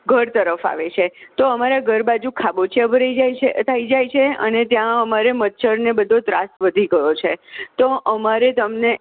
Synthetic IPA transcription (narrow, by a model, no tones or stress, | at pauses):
ɡʱəɾt̪əɾəfa̰ʋet͡ʃʰet̪oəmaɾaɡʱəɾbad͡ʒukʰabot͡ʃʰiabʱəɾad͡ʒaet̪ʰaid͡ʒajt͡ʃʰeə̰net̪jãəmaɾemət̪ːʃʰəɾnebəd̪ʱõt̪ɾa̰st̪ʋəd̪ʱiɡəjot͡ʃʰet̪oʔəmaɾet̪əmne